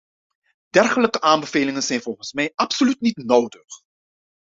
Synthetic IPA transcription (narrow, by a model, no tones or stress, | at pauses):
d̥ɛrχələkəʔaːmbəveːlɪŋənzɛjnvɔlˠχənsmɛjʔɑpsolytnitnowdəχ